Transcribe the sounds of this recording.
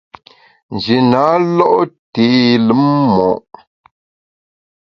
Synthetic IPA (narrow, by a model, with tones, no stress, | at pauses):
n˨d͡ʒi˨na˨˦lɔ˦ʔti˨˦lə˦mːɔ˨ʔ